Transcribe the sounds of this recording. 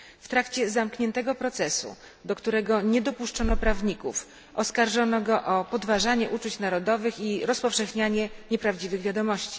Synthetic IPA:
ft̪ɾakt͡ɕɛzamkɲɛnt̪ɛɡɔpɾɔt̪sɛsṵ | d̪ɔkt̪uɾɛɡɔɲɛd̪ɔpuʂt͡ʂɔnɔpɾavɲikṵf | ʔɔskaɾʐɔnɔɡɔʔɔpɔd̪vaʐaɲɛʔut͡ʂut͡ɕnaɾɔd̪ɔvɘxiɾɔspɔfʂɛxɲaɲɛɲɛpɾavd͡ʑivɘɣvʲjad̪ɔmɔɕt͡ɕi̥

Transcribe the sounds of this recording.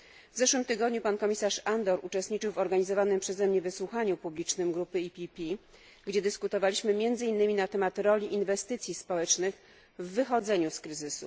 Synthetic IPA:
vzɛʂwɘmt̪ɘɡɔd̪ɲupankɔmʲisaʂand̪ɔɾut͡ʂɛst̪ɲit͡ʂɘwvɔɾɡaɲizɔvanɘmpʂɛzɛmɲɛvɘswuxaɲupublʲit͡ʂnɘmɡɾupɘipʲipʲi | ɡd͡ʑɛd̪ɘskut̪ɔvalʲiɕmɘmʲjɛnd̪zɘinːɘmʲinat̪ɛmat̪ɾɔlʲiʔinvɛst̪ɘt̪sʲjispɔwɛt͡ʂnɘx | vːɘxɔd̪zɛɲuskɾɘzɘsṵ

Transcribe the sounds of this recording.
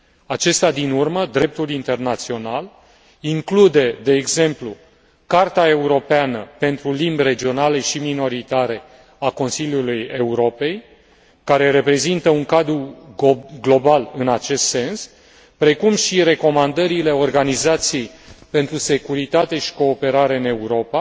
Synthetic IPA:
at͡ʃe̞st̪ad̪inurməd̪ɾe̞p̚t̪ulint̪e̞rnat̪sio̞nal | iŋklud̪e̞d̪e̞ːɡze̞mplu | kart̪ae̞uɾo̞peanəpe̞nt̪ɾulimbʲre̞d͡ʒio̞naleʃimino̞ɾit̪aɾe̞ | ako̞nsiljuluje̞uɾo̞pe̞j | kaɾe̞ɾe̞pɾe̞zint̪əuŋkad̪ɾu | ɡlo̞balɨnat͡ʃe̞st̪se̞ns | pɾe̞kumʃiɾe̞ko̞mand̪əɾile̞o̞rɡanizat̪sijejpe̞nt̪ɾuse̞kuɾit̪at̪e̞ʃi̥ko̞ːpe̞ɾaɾe̞ɨne̞uɾo̞pa

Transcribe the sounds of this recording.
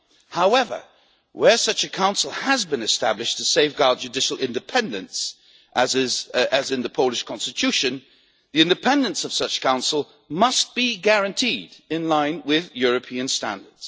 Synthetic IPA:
haʊɛvə̰˞ | wə˞sʌt͡ʃɨkʰãʊ̃nsl̩ˠəzbɨ̃nɨstæ̰blɨʃtʰɨseɪfɡ̥ɑɹd̚d͡ʒɨdɪʃl̩ˠɪ̃ndɨpʰɛ̃ndɨ̃ns | ʔəzɪzɨzɨ̃nðɨpʰoʊlˠɨʃkʰɑ̃nstɨtʰʉʃɨ̃n | ðiɪ̃ndɨpʰɛ̃ndɨ̃nsʌv̥sʌt͡ʃkʰãʊ̃nsl̩ˠ | mʌst̚b̥iɡæɹɨ̃ntʰidɪ̃nlãɪ̃nwɪðjʊɹɨpʰĩɨ̃nstæ̰̃ndə˞dz̥

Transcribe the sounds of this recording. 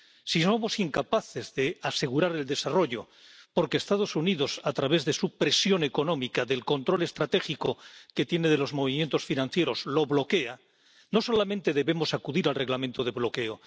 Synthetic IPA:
siso̞mo̞siŋkapaθe̞zðe̞ase̞ɣ̞uɾaɾe̞ld̪e̞saro̞ʝo̞ | po̞ɾke̞ːst̪að̞o̞suniðo̞sat̪ɾaβ̞e̞zðe̞supɾe̞sjone̞ko̞no̞mikaðe̞lko̞nt̪ɾo̞le̞st̪ɾat̪e̞xikoke̞t̪je̞ne̞ð̞e̞lo̞zmo̞β̞imjent̪o̞sfinãn̟θje̞ɾo̞zlo̞βlo̞ke̞a | no̞so̞lamẽ̞nt̪e̞ðe̞βe̞mo̞sakuðiɾalre̞ɣlamẽ̞nt̪oð̞e̞βlo̞ke̞o

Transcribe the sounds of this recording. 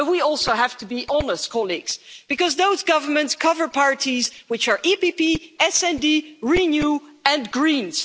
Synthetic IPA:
t̚wiɔlˠsoʊɦæv̥tɨbiʔɑnəst̚kʰɑlˠiɡz̥b̥ɨkʌzðoʊzɡʌvə˞mɨ̃ntskʰʌvə˞pʰɑɹtizwɨt͡ʃə˞ʔipipiɛsɛ̃ndiɹinjuɨ̃nɡɹĩnz̥

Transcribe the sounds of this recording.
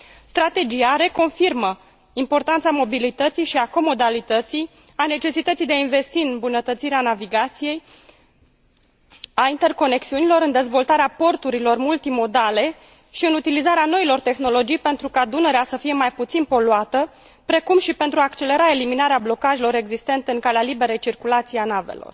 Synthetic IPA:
st̪ɾat̪e̞d͡ʒijaɾe̞ko̞nfirmə | impo̞rt̪ant̪samo̞bilit̪ət̪sijʃiako̞mo̞d̪alit̪ət̪sij | ane̞t͡ʃe̞sit̪ət̪sijd̪eainve̞st̪iɨnmbunət̪ət̪siɾeanaviɡat̪sije̞j | aint̪e̞rko̞ne̞ksiunilo̞ɾɨnd̪e̞zvo̞lt̪aɾeapo̞rt̪uɾilo̞rmult̪imo̞d̪ale̞ | ʃiɨnut̪ilizaɾeano̞ilo̞rt̪e̞xno̞lo̞d͡ʒijpe̞nt̪ɾukad̪unəɾeasəfije̞majput̪sinpo̞luat̪ə | pɾe̞kumʃipent̪ɾuaːkt͡ʃe̞le̞ɾae̞liminaɾeablo̞kaʒelo̞ɾe̞ɡzist̪e̞nt̪eɨŋkalealibe̞ɾejt͡ʃirkulat̪sijanavḛlo̞̰r

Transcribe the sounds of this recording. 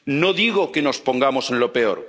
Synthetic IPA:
noðiɣ̞okeno̞spo̞ŋɡamose̞nlo̞pe̞o̰ɾ

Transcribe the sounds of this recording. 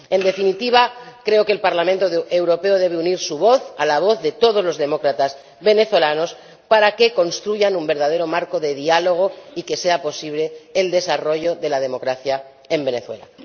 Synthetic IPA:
e̞nd̪e̞finit̪iβ̞akɾe̞okeːlpaɾlamẽnt̪oewɾo̞pe̞oð̞e̞βeuniɾsuβo̞θalaβ̞o̞θðe̞t̪o̞ð̞ozlo̞zðe̞mo̞kɾat̪az | βe̞ne̞θwolano̞s | paɾake̞ko̞nst̪ɾuʝanumbe̞ɾðað̞e̞ɾo̞maɾko̞ðe̞ðialo̞ɣ̞o̞ike̞se̞apo̞siβle̞ːld̪e̞saro̞ʝo̞ðe̞lað̞e̞mo̞kɾaθja | e̞mbe̞ne̞θwe̞la̰

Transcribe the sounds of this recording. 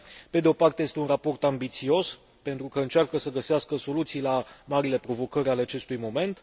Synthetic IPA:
pe̞d̪eo̞part̪eje̞st̪e̞unrapo̞rt̪ambit̪sio̞s | pe̞nt̪ɾukəɨnt͡ʃarkəsəɡəseaskəso̞lut̪sijlamaɾile̞pɾo̞vo̞kəɾʲaleat͡ʃe̞st̪ujmo̞me̞nt̪

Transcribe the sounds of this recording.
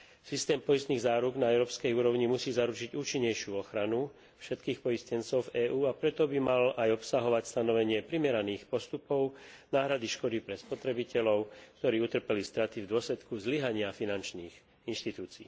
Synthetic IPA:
sist̪ɛːmpɔjist̪niɣzaːɾuɡnaɛʊɾɔːpskɛjuːɾɔʊɲimusiːzaɾut͡ʃiɟuːt͡ʃiɲːɛjʃɪuɔxɾanu | fʃɛt̪kiːxpɔjiscɛnt͡sɔʊvɛːʔuːapɾɛt̪ɔbimalʔajɔpsaɦɔʋacst̪anɔʋɛɲɪɛpɾimɛɾaniːxpɔst̪upɔʊnaːɦɾad̪iʃkɔd̪ipɾɛspɔt̪ɾɛbicɛlɔʊkt̪ɔɾiːut̪r̩pɛlist̪ɾat̪ivd̪ʊɔslɛt̪kuzliɦaɲɪafinant͡ʃniːx | inʃt̪it̪uːt͡sḭː

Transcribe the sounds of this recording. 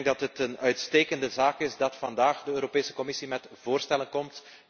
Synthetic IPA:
ŋɡ̚dɑtɦətənœɥtsteːkəndəzaːkɪzdɑtfɑndaːxdəøːɾopeːsə̥kɔmɪsimɛtv̥oːrstɛlənkɔmt

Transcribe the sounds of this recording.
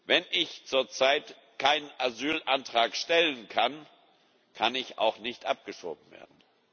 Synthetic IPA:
vɛnʔɪçt͡suːɐt͡saɪt | kʰaɪnənʔazyːlʔantʁ̥aːkʃtɛlənkʰan | kʰanɪça̰ʊxnɪçtʔap̚ɡ̥əʃo̰ːbm̩vḛːɐdn̩

